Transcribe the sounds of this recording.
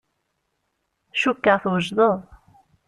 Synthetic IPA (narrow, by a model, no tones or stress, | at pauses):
ʃukːəʁθwəʒðˤəðˤ